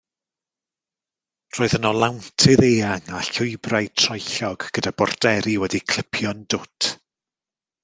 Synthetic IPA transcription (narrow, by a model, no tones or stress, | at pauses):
roːɨðənɔlˠawntʰɨðeːaŋaɬʊɨbrajtʰrɔjɬɔɡ̥ɡ̥ədabɔrdɛɾiwɛdikʰl̥ˠɪpʰjɔndʊtʰ